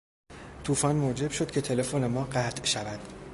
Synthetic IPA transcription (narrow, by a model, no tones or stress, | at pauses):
t̪ʰuːfɒːnmod͡ʒe̞bʃo̞d̪̥̚cʰe̞t̪ʰe̞le̞fone̞mɒːɢæt̪ʰʔʃævæd̪̥